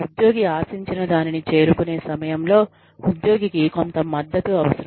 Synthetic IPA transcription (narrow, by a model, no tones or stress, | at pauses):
ud̪jo̞ːɡiaːsiɲt͡ʃinɐd̪aːninit͡ʃe̞ːɾukune̞ːsɐmɐjɐmlo̞ː | ud̪jo̞ːɡikiko̞nt̪ɐmːɐd̪ːɐt̪uɐʋɐsɐɾɐ